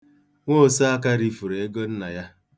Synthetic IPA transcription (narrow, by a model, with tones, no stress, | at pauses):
ŋʷo˦˨sa˦a˦ka˦ɾi˦fu˨ɾe˨e˦ɡo˦n̩˦na˨ja˦